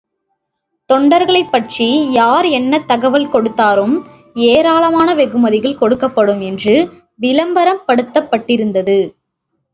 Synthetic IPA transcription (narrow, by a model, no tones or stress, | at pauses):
t̪ɔɳɖɐɾɣɐɭɐɪpːɐʈrijaːɾɛnːɐt̪ːɐɣɐʋɐlkɔɽɯt̪ːaːɾɯm | eːɾaːlɐmaːnɐʋɛɣɯmɐðɪɣɐɭkɔɽɯkːɐpːɐɽɯmɛndrɯ | ʋɪlɐmbɐɾɐmpɐɽɯt̪ːɐpːɐʈːɪɾɯnd̪ɐðɯ